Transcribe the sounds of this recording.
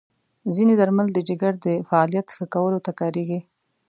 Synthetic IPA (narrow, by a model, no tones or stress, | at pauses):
zined̪aɾmald̪əd͡ʒɪɡaɾd̪əfaɑlijat̪xəkawəlot̪akɑɾeɡi